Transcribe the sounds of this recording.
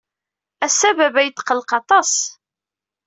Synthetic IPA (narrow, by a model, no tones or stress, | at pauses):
æsævævæjət̪ːqəlqɑt̪ˤɑs